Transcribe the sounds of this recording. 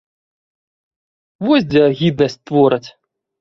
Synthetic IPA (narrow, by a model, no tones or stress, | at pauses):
vɔzʲd͡zʲɛɣʲid̪̚nɐsʲt͡sʲt̪vɔɾɨt͡sʲ